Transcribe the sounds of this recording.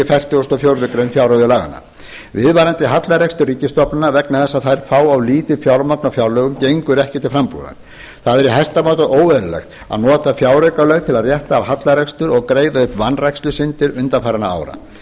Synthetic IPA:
ɪfɛjr̥t̪ʏɔst̪ɔfjowɾðʏkɾeɥnfjawɾœðʏlaːɣa̰na̰ | vɪðvajɾant̪ɪɦat̪laɾɛkst̪ʏriːcɪst̪ɔpnɪnavɛknaθɛsːaðθajɾ̥faːwawliːt̪ɪfjawɾmaknafjawlœɣʏmcejŋkʏɾɛhcɪt̪ʰɪlfɾampṵða̰n | θaðɛɾiɦɛst̪amaːwt̪aoːwvɛðɾalɛ̰xt̪ | a̰ðnɔːt̪afjaːwɾœɥkalɛɣt̪ʰɪlaðrjɛht̪aːvhat̪laɾɛkst̪ʏɾɔɣkɾeːjðaʏhpvanrajkst̪ʏsɪnt̪ɪɾʏnt̪afajɾɪnaa̰ːwɾa̰

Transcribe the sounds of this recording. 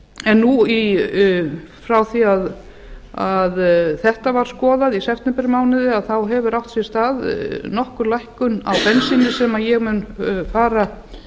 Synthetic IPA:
ɛnːui | fɾawθiað | aðθɛht̪avaɾ̥skɔːðaðisɛft̪ɛmpɛɾmaːwnɪðɪaðθawɦɛvʏɾawht̪sjɛ̥st̪aːðnɔhkʏɾlajhkʏna̰wfɛnsɪnɪsɛmajɛɣmʏnfaːɾa

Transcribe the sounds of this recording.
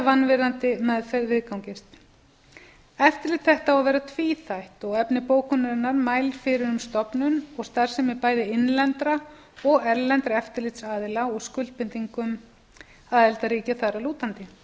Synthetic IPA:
vanːvɪɾant̪ɪmɛðfɛɾvɪðkawŋcɪst̪ | ɛft̪ɪɾlɪt̪θɛht̪awavɛːɾat̪ʰviːθajht̪ɔɣɛpnɪpoːwkʏnːaɾɪnːaɾmaːjlfɪɾɪɾʏmst̪ɔpnʏnɔɣst̪aɾ̥sɛmɪpaːjðɪɪnlɛnt̪ɾa | ɔɣɛɾlɛnt̪ɾaɛft̪ɪɾlɪt̪saːðɪlaɔɣskʏl̥t̪pɪnt̪iŋkʏm | aðɛlt̪aɾiːcaθaɾaluːt̪ant̪ɪ

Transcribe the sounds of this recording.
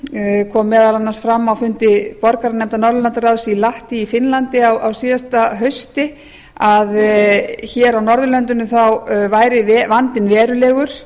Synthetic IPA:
kʰɔːmːɛːðalanːasfɾamːawfʏnt̪ɪpɔɾkaɾanɛmt̪anɔɾðʏlɛnt̪ʏɾaðsiːlaht̪iːfɪnlant̪ɪawʔawsiːðast̪aɦœɥst̪ɪ | að | çɛːɾawnɔɾðʏlœnt̪ʏnːʏθawvaːjɾɪvɛvant̪ɪnvɛːɾʏlɛːɣʏɾ̥

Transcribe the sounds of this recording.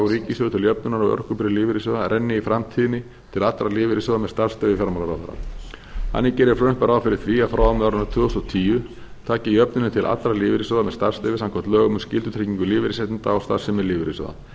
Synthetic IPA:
ɾiːcɪsʏðʏt̪ʰɪljœp̚nʏnaɾawœ̰r̥kʏpɾɪlɪːvɪɾisɔðaɾʔɛnːɪifɾamt̪ʰiːðɪnɪ | t̪ʰɪlat̪ɾalɪːvɪɾɪsɔðamɛðst̪aɾ̥st̪ɛvɪfjaɾmalaɾawθa̰ɾa̰ | ha̰nːɪcɛːɾɪɾfɾʏnpaɾaːwfɪɾɪ̥θʰviːafɾaːwamɛɾʏnat̪ʰvʏːɔst̪ɔt̪ʰiːjʏ | t̪ʰaːcɪiœpnʏnɪt̪ʰɪlʔa̰t̪ɾalɪːvɪɾisɔðamɛðst̪aɾr̥st̪ɛːvɪsamkʰɔmt̪lœːɣʏmʏscɪlt̪ʏt̪ʰɾeciŋkʏlɪːvɪɾisɛt̪int̪aːwst̪a̰ɾsɪmɛðlɪːvɪɾisɔ̰ða̰

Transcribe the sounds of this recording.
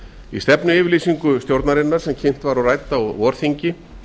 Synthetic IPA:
ḭst̪ɛpnʏɪːvɪɾliːsiŋkʏst̪jowɾt̪naɾɪnːaɾ̥sɛmcʰejm̥t̪vaɾawraːjt̪avɔːɾ̥θiɲcɪ

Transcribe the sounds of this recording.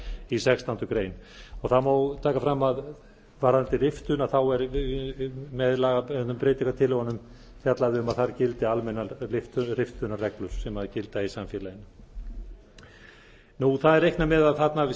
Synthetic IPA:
isɛkst̪ant̪ʏkɾeːjnɔɣθaðmawt̪ʰaːkafɾamːað | vaɾant̪ɪrɪft̪ʏnaθawɛɾ | mɛðlaɣaɛnʏmpɾeːjt̪ikat̪ʰɪlːɛɣanːʏm | θjat̪laðɪʏmaðθaɾcɪlt̪ɪalmɛnːaɾɪft̪ʏrɪft̪ʏnarɛklʏɾ̥sɛmaðcɪlt̪aisamfjɛːlajɪna | nuθaðɛɾejhknamɛðaðθat̪naɪ

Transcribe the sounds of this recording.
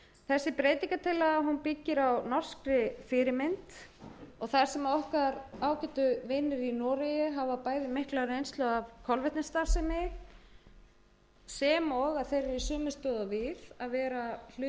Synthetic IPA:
θɛsːɪpɾeːjt̪iŋkat̪ʰɪlːaɣaɦunpicːɪɾawnɔr̥skɾɪfɪɾɪmɪnt̪ɔɣθaɾ̥sɛmaðɔhkaɾaːwcɛt̪ʏvɪnːɪɾinɔːɾajʏɦavapaːjðɪmɪhklaɾɪejnst̪lœɣavkʰɔlvɛht̪nɪst̪aɾsɛmɪ | sɛːmɔɣaðθejɾvɪðsœːmʏ̥st̪œðavɪðaðvɛːɾal̥ʏ

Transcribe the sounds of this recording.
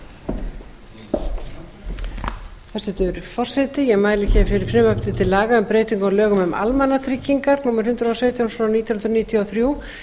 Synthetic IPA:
θɛsɛt̪ʏɾfɔr̥sɛt̪ɪjɛɣmaːjlɪcʰɛːvɪfɪɾɪɾ̥fɾɪmœpʰt̪ɪt̪ʰɪlːaːɣaʏmpɾeːjt̪iŋkɔlœːɣʏmʏmʔa̰lmanat̪ʰɾɪcːiŋkaɾnuːmaɾ̥hʏnt̪ɾawseːt̪jawnsvɾawniːt̪jɔnnɾɔniːt̪ʰjiaθɾjuː

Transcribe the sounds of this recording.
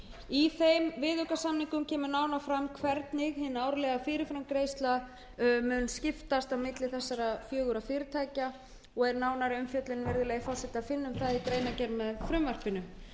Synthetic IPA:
iθejmvɪːðœkasamniŋkʏmcʰɛːmʏɾnaːwnafɾamːkʰvɛɾt̪nɪɣhɪnːaːwɾʏlɛɣafɪːɾɪfɾamkɾejst̪la | œmʏnːscɪft̪ast̪awmɪt̪lɪθɛsːaɾafjœːɣʏɾafɪːɾɪt̪ʰaːjca | ɔɣɛɾnaːwnaɾɪʏmfjœt̪lɪnvɛɾðɪlɛːjɣɪfawsɛht̪ɪafɪnːʏmθaðikɾeːjnacɛɾmɛðfɾʏmvar̥pɪnʏ

